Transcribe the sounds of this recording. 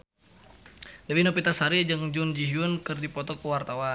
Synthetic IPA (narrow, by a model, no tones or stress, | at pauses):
dawinopit̪asaɾid͡ʒɨŋd͡ʒund͡ʒiɦiunkɨrdipɔt̪ɔkuwart̪awa